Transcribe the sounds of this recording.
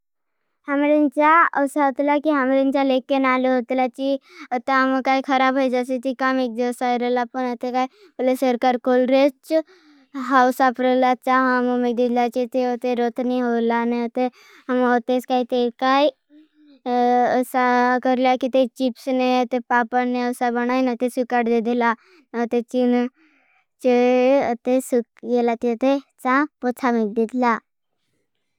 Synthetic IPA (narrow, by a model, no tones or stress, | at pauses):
hɐmɾent͡ʃaosaot̪lakiɦɐmɾint͡ʃalekːenaːleɦot̪lat͡ʃiot̪emkaikʰɐɾabɦəid͡ʒasit̪ikamek̚d͡ʒesaiɾelaponat̪ekai | polesəɾkaɾkolɾet͡ʃ | ɦawsapɾelat͡ʃaɦɐmomek̚d̪ilat͡ʃit̪eot̪eɾot̪niɦolaneot̪e | ɦəmot̪eskait̪ekaj | əsakəɾljakit̪et͡ʃipsneət̪epapəneəsabəñajnet̪esukaɽʈd̪ed̪ela | nt̪et͡ʃin | t͡ʃeət̪esukɡelat̪et̪et͡sãpot͡sʰamik̚d̪it̪la